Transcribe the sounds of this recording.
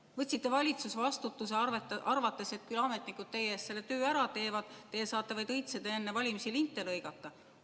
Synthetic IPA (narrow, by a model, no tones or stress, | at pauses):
vɤt̪ʲsit̪ːe̞vɑlʲit̪susvɑst̪ut̪ːˑuse̞ɑrvɑt̪ːˑe̞se̞t̪̚kylɑme̞t̪ˑnikːˑud̪̥̚t̪e̞jeːst̪se̞lːet̪øːæɾɑt̪e̞ːvɑd̪̥t̪ːe̞ːsɑːt̪ːˑevɑjd̪̥ɤjt̪sed̪̥eenːevɑlʲimisilint̪ːˑe̞lɤjɡ̥ɑt̪ːˑɑ